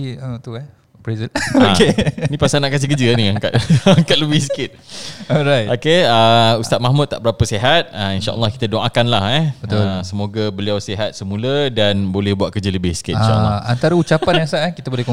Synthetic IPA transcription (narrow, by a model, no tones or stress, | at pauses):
iət̪uɛ | pɾezənokenĩpasanaʔkas̬ihk̬əd͡ʒənĩaŋka̰t̪̚aŋkat̪̚ləbɪhsə̥kɪt̪̚ɔɾajt̪ʔokeəust̪at̪̚mahmut̪̚ːa̰ʔbəɾapəseɦat̪̚əinʃa̰ʔə̰lːɑhkit̪adoŋakanlahɛbət̪lsəmoɡabəliawseɦat̪̚səmũlədanbolɛhbuat̪̚kərd͡ʒələbɪhsə̥kɪt̪̚inʃa̰ʔəlːant̪aɾəut͡ʃapanasaʔkit̪abolɛhko